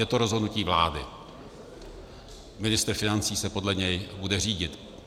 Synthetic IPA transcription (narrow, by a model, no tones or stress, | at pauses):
jɛt̪oɾo̞zɦodnuciːvla̰ːdɪ | mɪnɪst̪ɾ̩fɪnant͡siːsɛpo̞dlɛɲɛjbudɛr̝iːɟɪt̪